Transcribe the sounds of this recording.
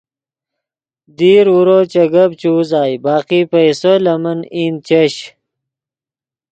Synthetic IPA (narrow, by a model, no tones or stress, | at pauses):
d̪iːɾuɾot͡ɕɐɡɐbt͡ɕuːzaːjbaːqipɐjsolɐmɐnin̚t͡ɕɐɕ